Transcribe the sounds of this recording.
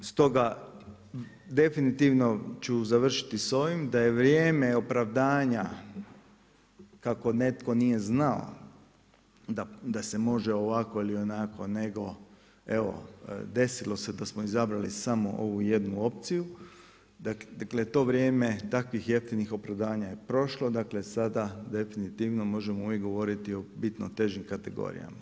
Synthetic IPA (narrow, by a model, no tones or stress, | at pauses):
st̪o̞ɡa | d̪e̞finit̪iʋno̞t͡ʃuzaʋr̩ʃi̥t̪iso̞ʋimd̪aje̞ʋɾjeːme̞o̞pɾaʋd̪aːɲa | kako̞ne̞t̪ko̞nije̞znao̰ | d̪ad̪ase̞mo̞ʒeo̞ʋako̞ilio̞nako̞ne̞ɡo̞ | e̞ʋo̞̰d̪e̞silo̞se̞d̪asmoizabɾalisamoʔo̞ʋuje̞d̪nuo̞p̚t̪siju | d̪aaklet̪o̞ːʋɾjeːme̞t̪akʋixjeft̪inixo̞pɾaʋd̪aːɲajepɾo̞ʃlo̞d̪akle̞sad̪ad̪e̞finit̪iʋnomo̞ʒemouʋjekɡo̞ʋo̞ɾit̪io̞bit̪not̪e̞ʒimkat̪e̞ɡo̞̰ːɾḭja̰ma